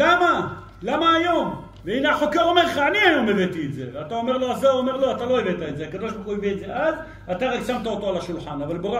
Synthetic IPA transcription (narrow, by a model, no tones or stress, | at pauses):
lama | lamaːjo̞m | veinaħo̞keʁomeʁleχaːniajo̞mevet̪ietzḛveat̪aomeʁlo̞azaomeʁloat̪alo̞evet̪aetzeakad̪o̞ʃbaχuevietzeʔaz | at̪aʁaɡsamt̪aot̪oalaʃulħanavalbeʁ